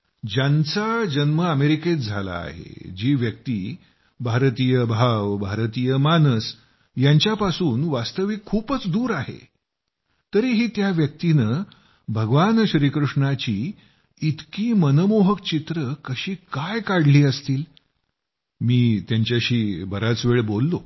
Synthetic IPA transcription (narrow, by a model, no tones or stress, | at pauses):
d͡ʑant͡sad͡ʑənməəmeɾiket̪d͡zʱala̰ːɦḛd͡ʑiːʋjək̚t̪iː | bʱaɾt̪ijəbʱaʋbʱaɾt̪iːjəmanəs | jaɲt͡ɕjapasuːnʋast̪əʋikʰːuːpət͡sd̪uːɾaɦḛ | t̪əɾiːɦiːt̪jaʋjək̚t̪inə | bʱəɡʋanɕɾiːkɾuʂɳat͡ɕiː | t̪kiːmənəmoɦək̚t͡ɕit̪ɾəkəɕiːkajkaɽliːəst̪iːl | miːt̪jaɲt͡ɕjaɕiːbəɾat͡sʋeɭbolːo